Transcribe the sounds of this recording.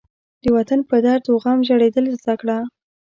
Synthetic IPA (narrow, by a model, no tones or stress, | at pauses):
d̪̥əwat̪anpəd̪ɑɾd̪oɣɑmʒaɽed̪əlzd̪akɽa